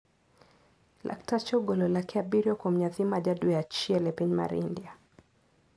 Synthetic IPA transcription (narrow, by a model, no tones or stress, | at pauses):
lʔa̰ktat͡ʃɔɡɔlɔlakɛabiɾjɔkɔm̩ɲaθimaʄadujat͡ʃiɛlɛpiɲma̰ɾḭndia